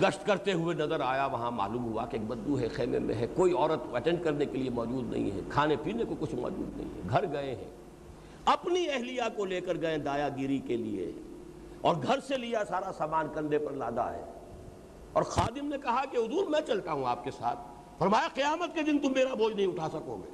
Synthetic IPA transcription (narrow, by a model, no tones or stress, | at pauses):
ɡɐʃʈkɐɾt̪eɦʊenɐzəɾaːjaʋɐɦãma̰ːlũːmɦʊakeːk̚bɐ̃nd̪uɦɛxɛːmḛmḛ̃ɦɛkoːiɔːɾət̪pɛʈɛ̃ɳɖ̚kɐɾnekeliemɔːd͡ʒuːd̪nɐ̰ɦḭ̃ɦɛ̰kʰaːnepiːnekokʊt͡ʃʰmɔ̰ːd͡ʒṵːd̪nɐ̰ɦḭ̃ɦɛ̰ɡʱɐɾɡɐẽɦɛ̰̃ː | ɐpniɛɦlijakoleːkəɾɡɐẽd̪aːjaɡɪɾikelḭḛɦɛ̰̃ | ɔːɾɡʱɐɾselijasaːɾasaːmaːnkɐ̃nd̪epɐɾlaːd̪a̰ɦɛ̰ː | ɔːɾxaːd̪ɪmnekɐɦakeɦʊd̪uːɾmɛ̃t͡ʃɐlt̪aɦũaːp̚kesa̰ːt̪ʰ | fɐɾmaːjaqɪjaːmət̪̚ked̪ɪ̃nt̪ʊ̃mːeːɾabʱoːd͡ʒnɐɦĩʊʈʰasɐkoːɡḛː